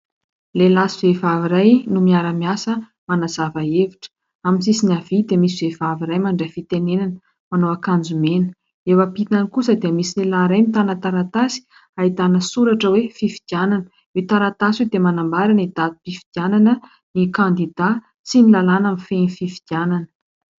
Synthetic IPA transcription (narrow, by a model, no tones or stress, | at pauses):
lelasivevaviɾajnumiaɾəmiasə | manazavaeviʈ͡ʂə̥ | aminsisinavid̪emisivevaviɾajmaɳɖ͡ʐafit̪enenanə | manoakand͡zumenə | ewapit̪anikusəd̪iəmisinelaɾajmit̪anət̪aɾat̪asi̥ | ait̪anəsuɾaʈ͡ʂəwefifi̥d̪iananə | et̪aɾat̪asiwed̪emanambaɾanid̪at̪u̥pifi̥d̪̥iananə | nikand̪id̪a | t͡sinilalanamifenififi̥d̪̥iananə̥